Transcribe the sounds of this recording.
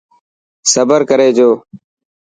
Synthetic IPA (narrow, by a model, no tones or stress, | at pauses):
səbəɾkəɾeːd͡ʒoː